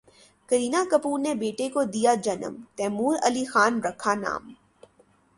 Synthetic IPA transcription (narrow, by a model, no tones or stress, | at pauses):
kəɾiːnakɐpuːɾnebeːʈekod̪ijad͡ʒɐnə̰mt̪ɛːmuːɾɐlixaːnɾɐkʰana̰ːm